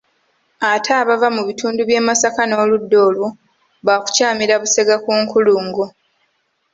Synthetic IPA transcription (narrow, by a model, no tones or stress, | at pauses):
atʰaːβavamuβitʰuːnduβje̞ːmasakano̞ːludːo̞ːlu | βaːku̥caːmiɾaβuse̞ɡakuːŋkuluːŋɡo